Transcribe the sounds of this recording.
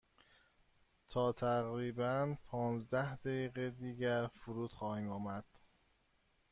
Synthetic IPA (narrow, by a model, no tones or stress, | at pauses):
t̪ʰɒːt̪ʰæʁɾiːbænpʰɒːnzd̪æhd̪æjiːɣed̪iːɟæɾfuɾuːd̪̥xɒːhiːmɒːmæd̪̥